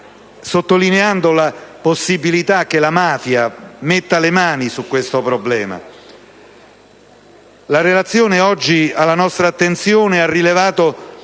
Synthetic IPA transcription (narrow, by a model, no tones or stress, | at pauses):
sot̪ːolineand̪olaposːibilit̪ak̟ːelamaːfjamet̪ːalemaːnisukːwest̪opɾoblɛːma̰ | laɾelat̪sːjoːneɔd͡ʒːialːanɔst̪ɾaːt̪ːent̪sjoːnearːilevaːt̪o